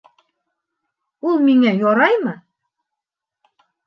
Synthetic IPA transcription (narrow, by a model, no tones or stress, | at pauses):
ulˠmiŋæjoɾɑjmɤ